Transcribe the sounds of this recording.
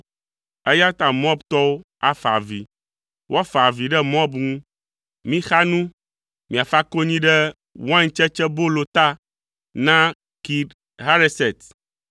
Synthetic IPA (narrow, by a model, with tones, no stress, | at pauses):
ɛ˦ja˦t̪ã˨m˦ɔ̃˦bt̪ɔ˦wo˦ | a˦fa̰˨vḭ˨ | wʔɔ˦fa˨vi˨ɖɛ˦mɔ̃˦bŋũ˦ | mĩ˦xa˦nũ˦ | mĩ˨a˨fa˦ko˦ɲĩ˦ɖɛ˦ | wa˦ɲ˨t͡ʃɛ˦t͡ʃɛ˦bo˦lo˨t̪a˦ | nã˦ | ki˨d | ɦa˦ɾe˦sɛ˨t̪